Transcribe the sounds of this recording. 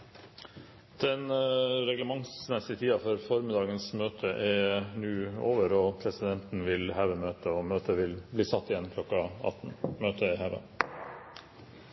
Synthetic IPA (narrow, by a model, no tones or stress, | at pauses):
d̪̥ɛnɾɛɡləmɑŋsnɛsɪt̪ʰiːɑfɔɾfɔɾmɪd̪ɑːɡənsmøːt̪ʰəʔɛnʉːoːʋəɾɔːpʰɾɛsɪd̪ɛnt̪n̩ʋɪlhæːʋəmøːt̪əɔmøːt̪əʋɪlbliːsɑt̪ːɪjɛnkʰlɔkːɑɑ̰t̪n̩møːt̪ʰəɪhæʋə̰